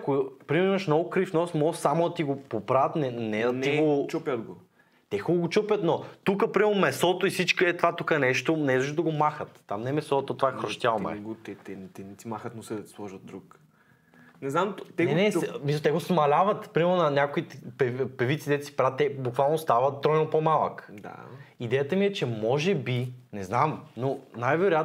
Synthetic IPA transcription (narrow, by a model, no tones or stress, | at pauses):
kʊpɾimɛɾmɐʃmnɔɡʊkɾifnɔsmɔsamʊɐt̪iɡopopɾavət̪nɛnɛd̪ɐnt̪iɡot͡ʃɔpjəd̪ɡo | t̪ɛxuloɡot͡ʃɔpʲət̪not̪ukəpɾimɛɾnʊmɛsɔt̪oisit͡ʃkəɛt̪ovat̪ukənɛʃt̪onɛzɔʒd̪ɐɡomaxət̪ːamnɛɛmɛsɔt̪ot̪vaxɾoʃt̪ʲjamɛ̰t̪ɛt̪ɛnt̪ɛnɛt̪imaxət̪nosɛd̪ɐt̪i̥slˠɔʒət̪d̪̚d̪ɾuk | nɛznamt̪t̪ɛnɛnɛsmisət̪ɛɡosmɐlʲavət̪pɾimɛɾnʊnɐnʲakoit̪pɛpɛvit̪sid̪ɛt̪si̥pɾat̪ːɛbukvalˠnost̪avət̪̚t̪ːɾɔjnopomalˠəkd̪a̰id̪ɛjət̪əmiɛt͡ʃɛmɔʒɛbinɛznamnonajvɛɾojat̪